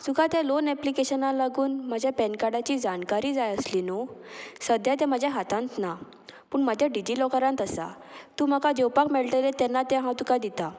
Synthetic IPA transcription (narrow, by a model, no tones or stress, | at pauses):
sukat̪jãlonæplikeɕənãlaɡuːnməd͡ʑʱjapɛnkaɽat͡ɕiːd͡zankaɾiːd͡zajəslinosəd̪ʱjat̪̬ãmad͡ʑʱjaɦat̪ãnt̪na | puːɳmad͡ʑʱjaɖid͡ʑiːlɔkəɾãnt̪əsa̰ | t̪uːm̤akad͡ʑewpakmɛɭʈəlet̪ɛnːat̪ɛ̃ɦãt̪ukad̪it̪a